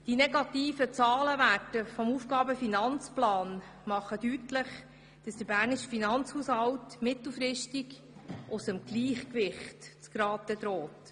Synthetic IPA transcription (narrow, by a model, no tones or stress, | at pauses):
d̥inɛɡɑtiːfət͡sɑːləʋætəfɔmufɡɑːbəfinɑnt͡splɑːn | mɑχədytləχ | d̥ɑsd̥̪əɾbæːɾniʃfinɑnt͡shuːshɑwtmɪtl̩ˠfɾɪʃtik | ʔʊsəmɡ̥liːχkʋɪχtt͡skɾɑːtəd̪ɾɔːt